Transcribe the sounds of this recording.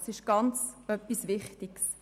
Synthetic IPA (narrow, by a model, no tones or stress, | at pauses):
sɪʃɡ̥ɑnt͡sœpːisvɪχtiɡs